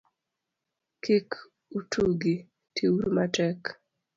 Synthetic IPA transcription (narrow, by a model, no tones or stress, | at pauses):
kik | utʰuɡi | tʰiwuɾmatɛk